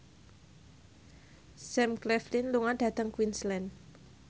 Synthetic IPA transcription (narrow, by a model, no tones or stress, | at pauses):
sɛmklɛflinluŋaɖ̥a̤t̪əŋkwinslɛn